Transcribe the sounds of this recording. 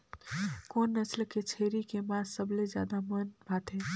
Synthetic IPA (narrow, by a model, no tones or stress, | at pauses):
konːəslket͡ʃʰeɾikemasəbled͡ʒja̰ːd̪amənbʱat̪ɦɛ̃